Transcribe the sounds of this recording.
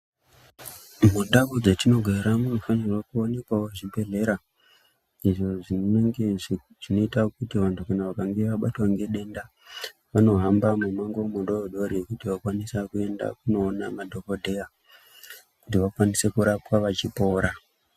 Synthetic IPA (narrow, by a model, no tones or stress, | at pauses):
mundakod͡zetino̞ɡʱeɾamuno̞fanirwakuone̞kawoʐibʱe̞ɮe̞ɾa | iʐo̞ʐinoneŋɡe̞ | ʐ̥ino̞itakutiʋantʰukanaʋakaŋɡe̞ʋaɓatwaŋɡe̞ɗe̞nda | ʋano̞ɦambamumaŋɡomundooɗo̞ɾiekutiʋakwanisakue̞nda̰k̚uno̞ːnamadʱo̞ko̞dʱe̞ja | kutiʋakwanise̞kuɾapwaʋat͡ʃipo̞ːɾa